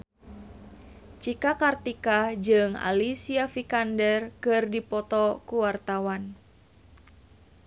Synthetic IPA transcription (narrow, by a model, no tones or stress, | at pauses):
t͡ʃikakart̪ikad͡ʒɨŋa̰lisiafikandɛrkɨrdipɔt̪ɔkuwart̪awan